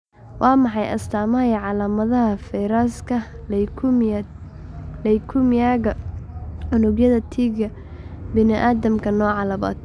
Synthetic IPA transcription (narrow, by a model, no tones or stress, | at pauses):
wʔɑːmɑħɑjʔɐ̰st̪ʰaːmɐɦɛjʕɑlaːmɐðɐɦɐfɛjɾaːskʰɐ | lɛjkʰʊmjaːɣɐ | ʕʊnʊɡjɐðɐt̪ʰiːɡɐ | bɪnɪʔaːðɐmkʰɐnɔːʕɑlɐmɐ̰ːt̪